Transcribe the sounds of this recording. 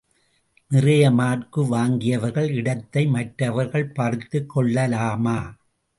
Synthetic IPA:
nɪrɐjɐmaːrkɯʋaːŋɡɪjɐʋɐɾɣɐɭɪɽɐt̪ːɐɪmɐʈɾɐʋɐɾɣɐɭpɐɾt̪ːɯkːɔɭːɐlaːmaː

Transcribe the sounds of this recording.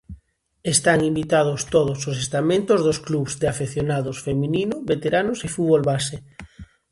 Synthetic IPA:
est̪aŋimbit̪að̞ost̪oð̞osos̬est̪amẽnt̪ozðoskluβzd̪afeθjonaðosfemĩninoβet̪eɾanosefuðβolβase

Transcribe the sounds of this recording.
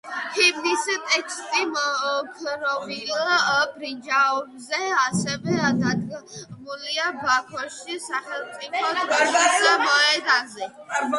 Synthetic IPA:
hʰibnist̪ʼɛkʰst̪ʼimkʰɾɔbi | bɾind͡ʒaɔbzɛasɛvɛd̪ad̪muliabakʰɔʃisaχɛlˠt̪sʼipʰɔt̪ʰɔʃidamɔɛd̪anzɛ

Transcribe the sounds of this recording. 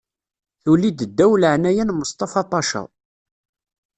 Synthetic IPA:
θulid̪əd̪ːæwləʕnæjænməst̪ˤɑfɑt̪ˤːɑʃɑ̰

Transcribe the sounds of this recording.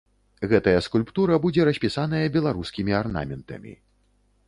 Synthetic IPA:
ɣɛt̪ɐjɐskulʲpt̪uɾɐbud͡zʲɛɾɐsʲpʲisanɐjɐbʲɛlˠaɾuskʲimʲiarna̰mʲɛnt̪ɐ̰mʲḭ

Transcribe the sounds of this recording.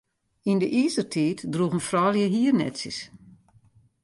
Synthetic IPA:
indəʔiːsərtʰiːtdruɣənfrɔːljəɦiərnɛ̰tsə̰s

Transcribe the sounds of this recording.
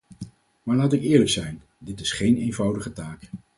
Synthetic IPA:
maːɹlaːtɪkɪːɹləksɛjn | dɪtɪsχejnejnvɑwdəχətaːk

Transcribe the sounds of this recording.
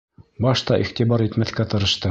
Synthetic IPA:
bɑʃt̪ɑʔḭχt̪ibɑɾit̪mæθkæt̪ɤ̆ɾɤ̆ʃt̪ɤ

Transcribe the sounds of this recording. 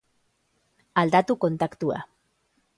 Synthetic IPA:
ald̪at̪uko̞nt̪akt̪ua̰

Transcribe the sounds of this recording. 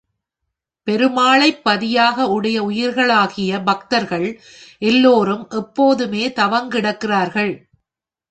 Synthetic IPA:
pɛɾɯmaːɭɐɪpːɐðɪjaːɣɐʊɽɐjɐʊjɪɾɣɐɭaːɣɪjɐbɐk̚t̪ɐɾɣɐɭ | ʔɛlːoːɾɯmʔɛpːoːðɯmeːt̪ɐʋɐŋɡɪɽɐkːɪraːɾɣɐɭ

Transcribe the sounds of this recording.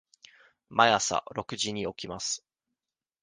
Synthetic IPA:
majasa̰ɾo̞kɯ̟ʑiɲ̟io̞kʲimasɨ̥

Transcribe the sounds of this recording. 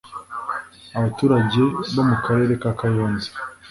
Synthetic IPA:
aβatuːɾaɟe̞βo̞mukaɾe̞ːɾe̞kakajoːnze̥

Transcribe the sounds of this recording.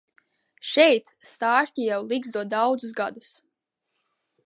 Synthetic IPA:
ʃɛjt̪st̪aːɾtʲijawlˠiɡzd̪uɔd̪awd̪zusɡa̰d̪us

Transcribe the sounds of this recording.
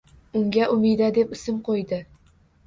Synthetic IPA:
ʊŋɡʲaʔʊmɪd̪ad̪e̞pɪsɪmqʰojd̪ɪ

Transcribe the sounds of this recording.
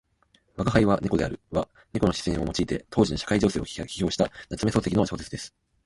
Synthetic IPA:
βakaɦaiβane̞ko̞d̪e̞aɾɯ̟βa | ne̞ko̞no̞ɕi̥sẽo̞mo̞t͡ɕiːt̪e̞̰t̪ʰo̞ːʑino̞ɕḁkaid͡ʑo̞ːse̞ːokʲi̥ço̞ːɕi̥t̪anat͡sɨme̞so̞ːsekʲinoaɕo̞ːse̞t͡sɨd̪e̞sɨ̥

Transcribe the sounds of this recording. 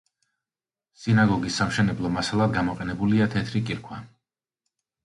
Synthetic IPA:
sinaɡɔɡisːamʃɛnɛblˠɔmasalˠad̪ɡamɔqʼɛnɛbuliat̪ʰɛt̪ʰɾikʼiɾkʰwa

